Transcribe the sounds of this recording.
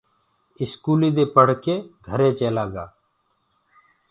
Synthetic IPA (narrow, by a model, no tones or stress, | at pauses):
ɪskuːliːd̪eːpəɽ̤keːɡʱəɾeːt͡ʃeːlaːɡaː